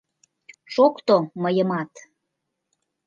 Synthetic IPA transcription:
ʃokt̪oməjə̆mɑt̪

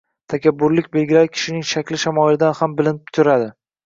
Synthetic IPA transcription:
t̪ʰakʲabːʊɾlɪkʲbelɡʲɪlaɾɪkʲʰɪ̥ʃɪnɪŋʃakʲlɪʃamɒɪlɪd̪anhambɪlɪnɪp̚t̪ʰʊɾad̪ɪ

